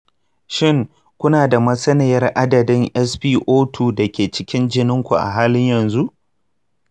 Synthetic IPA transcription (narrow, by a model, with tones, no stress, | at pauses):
ʃɪ˦˨ŋ | kʷʊ˦naː˨da˨mɐ˦sɐ˦ne˨jɐ˦rʔa˦dɐ˨dɪ˦ŋʔɛ˦sɸiː˦ʔoː˦tʰuː˨dɐ˨kʲeː˨t͡ʃɪ˦kʲɪ˦nd͡ʒɪ˦nɪ˦ŋkʷu˨ʔa̰˨ɦaː˦lɪ˦ɲjɐ˨nzu˦ʔ